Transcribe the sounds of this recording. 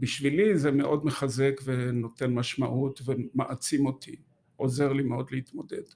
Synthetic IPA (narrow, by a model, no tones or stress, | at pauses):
biʃvilizemeʔo̞d̪meχaze̞kveno̞t̪e̞nmaʃmaʔut̪vemaʔat͡simo̞t̪ʰi | ʔo̞zeʁlimeo̞d̪leit̪mo̞d̪e̞̰d̥